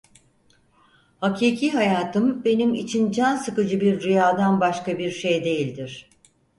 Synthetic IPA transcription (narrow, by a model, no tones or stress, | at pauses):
hacʰiːcʰiɦajaːt̪ʰɯmbe̞nimḭt͡ʃʰind͡ʒansɯkɯd͡ʒɯbiɾːijaːd̪anbaʃkabiɾʃe̞jd̪e̞jilʲd̪iɾ̝̥